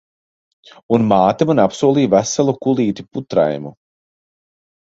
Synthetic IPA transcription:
unmaːt̪amanapsuɔlˠiːvæsalˠukulˠiːt̪i̥put̪ɾa̰jmu

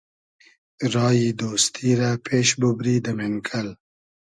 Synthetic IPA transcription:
ɾɑːjid̪ost̪ʰiɾapʰeʃbubɾid̪əmeŋkʰəl

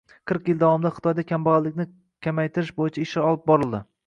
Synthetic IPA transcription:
qʰɨɾqjɪlˠd̪awɒmd̪aχɨ̥t̪ʰɒjd̪akʲʰambɒʁalːɪkʲnɪ | kʲʰamajt̪ʰɪɾɪʃbojɪt͡ʃʰaɪʃɪɒlˠɪp̚bɒɾɪlˠd̪ɪ

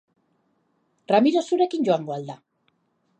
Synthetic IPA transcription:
ramiɾosuɾekiɲɟoaŋɡwald̪a

